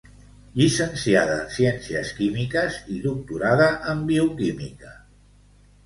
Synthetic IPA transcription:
ʎisənsiað̞əsiɛnsiəskimikəziðuk̚t̪uɾaðəʔəmbiukimḭkə

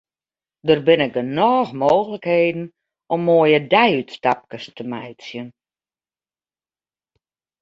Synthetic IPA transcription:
dərbɪnɪk̚ənɔːxmoːxələkheːdn̩ | ʔɔmːoəjədɛjytstap̚kəstəmɛjtsjən

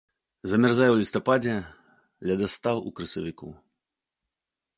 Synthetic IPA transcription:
zɐmʲɛrzajɛwlʲist̪apad͡zʲɛ | lʲɐd̪ɐst̪awṵkɾɐsɐvʲikṵ

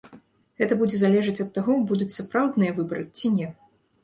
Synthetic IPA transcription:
ɣɛt̪ɐbud͡zʲɛzalʲɛʐɨt͡sʲɐt̪ːaɣɔbud̪ut͡sʲsapɾawd̪nɨjɐvɨbɐɾɨt͡sʲinʲɛ

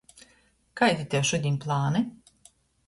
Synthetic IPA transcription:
kajd̪ʲit̪ʲeʃud̪ʲimplˠaːnɛ

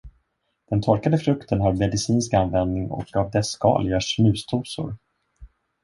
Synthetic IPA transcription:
d̪̥ɛnt̪ʰɔɾkad̪əfɾɵkt̪ʰənɦaɾmɛd̪ɪsiːnskanvɛnd̪nɪŋɔ̰kɑvd̪ɛskɑ̰ːljaʂnʉ̟ːst̪ʰuːsʊ̰ɾ

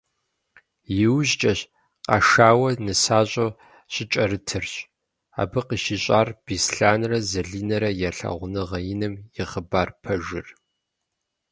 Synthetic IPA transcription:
jɪwʑt͡ʃʼɐɕ | qɑ̰ʃaːwɐnɨsaːɕʼo | ɕʼɪt͡ʃʼɐɾɨtʰɨrɕ | a̰ːbɨqiʃiɕʼaːrb̥isɬaːnrɐzɐɮiːnɐɾɐjɛɬɐ̰ʁʷnɨʁɐjɪnɨmjɪʁəbaːrpʰɐʒɪr

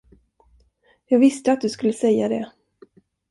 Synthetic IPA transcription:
jɑːɡvɪst̪əat̪̚d̪ɵskɵlːəsɛjːad̪ɛ

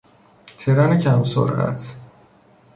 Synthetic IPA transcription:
t̪ʰeɾænecʰæmso̰ɾæ̰t̪ʰ

